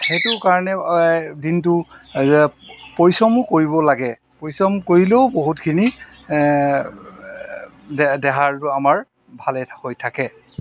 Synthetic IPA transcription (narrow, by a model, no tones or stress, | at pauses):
xetʊkaɹɔnɛdint̬ʊzɛpoɹjsɔmʊkoɹibɔlaɡɛ | pojsɔmkoɹileʊboɦutkʰini | dɛɦaɹtʊamaɹ | bʱalɛtʰhojtʰakɛ